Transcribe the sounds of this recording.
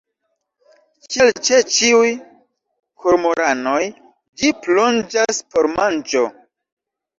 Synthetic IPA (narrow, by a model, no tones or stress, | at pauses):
t͡ʃelt͡ʃet͡ʃiuj | kʰoɾmoɾano̞j | d͡ʒiplo̞nd͡ʒaspo̞ɾmand͡ʒo